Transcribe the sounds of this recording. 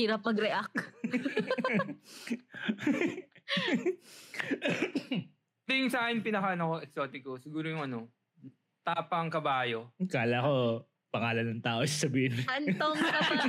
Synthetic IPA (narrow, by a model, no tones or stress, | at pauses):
iːɾɐp̚mɐɡɾɛʔɐk | t̪ɪɪŋsɐʔaːʔɪnpɪnɐkɐnɐkoɛksoːt̪ɪkosɪɡuːɾojʊŋɐno | t̪aːpɐŋkɐbaːjokaːlako | pɐŋaːlɐnːɐŋt̪aːʔoɪssɐbiːhɪnɐnt̪oŋɐ